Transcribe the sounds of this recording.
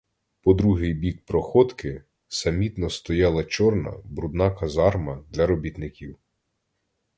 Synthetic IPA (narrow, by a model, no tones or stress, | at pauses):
pɔd̪ɾuɦɪjbʲik̚pɾɔxɔt̪kɪ | sɐmʲit̪nɔst̪ɔjɑlˠɐt͡ʃɔrnɐ̰bɾud̪nɑkɐzɑrmɐd̪lʲɐɾɔbʲit̪nɪkʲiw